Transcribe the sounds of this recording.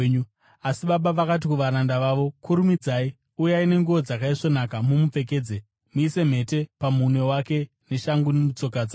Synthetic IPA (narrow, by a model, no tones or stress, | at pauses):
u | asiɓaɓaʋakat̬ikuʋaɾandaʋaʋo̞kuɾumid͡zai | ujaine̞ŋɡuʋod͡zakaiʐo̞nakamumup͡fe̞k̬e̞ːd͡ze | muise̞m̤e̞te̞pamune̞wake̞ | ne̞ʃaŋɡunemut͡so̞kad͡za